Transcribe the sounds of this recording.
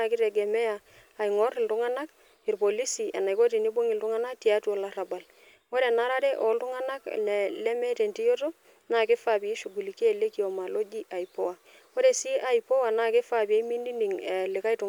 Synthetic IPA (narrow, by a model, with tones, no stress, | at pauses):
a˨kɪ˦ɾɛ˨ɡɛ˨mɛ˦aː˨ | i˨ŋɔ˦ɾɪ˨ltʊ˦ŋa˦na˦k̚ | ɪ˨ɾpo˨li˦si˨a˨na˨jko˦ti˨ni˦bo˦ŋɪ˨ltʊ˦ŋa˦na˦ti˨a˦tu˦ɔ˨la˦ra˨ba˨l | wo˦ɾɛ˨na˦ɾa˦dɛ˦ʔɔ˨ltu˦ŋa˦na˦knɛ˨lɛ˦mɛ˦tɛ˨nti˦jo˦to˦ | na˦kɪ˦fa˨pi˨e˦ʃu˨ɡu˨li˨ki˦e˨le˦ki˦ɔ˨ma˨lo˦d͡ʒi˦ʔa˨i˨pɔ˦wa˨ | wo˦ɾe˨si˦ʔa˦i˨pɔ˦wa˨na˦kɪ˦fa˨pi˨e˦mi˦ndi˦ni˨ŋɛ˨lɪ˨ka˦i˦tu˨